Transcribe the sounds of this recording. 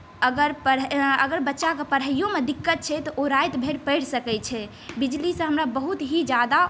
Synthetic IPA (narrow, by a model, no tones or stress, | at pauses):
əɡəɾpəɾəɡəɾbətːʃakepəɾɦəijõmed̪ikːət̪̚t͡ʃʰɛt̪ɔʔoɾajt̪bʱeɽpəɪɽ̤səkɛt͡ʃʰɛ | bid͡ʒlisə̃ɦəmɾabəɦut̪ɦid͡ʒjad̪a